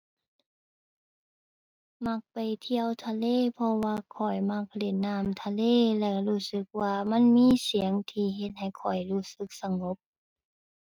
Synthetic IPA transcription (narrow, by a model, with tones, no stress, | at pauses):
ma˧˥k̚pa˨˩jt̪ʰi˧əwt̪ʰa˧leː˧˥˨pʰɔ˧waː˧kʰɔ˨˩jma˧˥k̚le˧˩nːaː˧˩˨mt̪ʰa˧leː˧˥˨lɛ˧˩luː˧˩sɯ˧˦k̚waː˧ma˧˥˨nmiː˧˥˨si˨˦əŋt̪ʰiː˧ɦe˧t̪̚ha˨˩jkʰɔ˨˩jluː˧˩sɯ˧˦k̚sa˧ŋo˧˦p̚